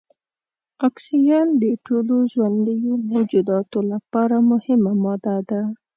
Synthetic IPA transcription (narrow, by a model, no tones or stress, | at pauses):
ɑksijɑnd̪əʈoloʒwand̪əjomowd͡ʒud̪ɑt̪olapɑɾamʊhɪmamɑd̪ad̪a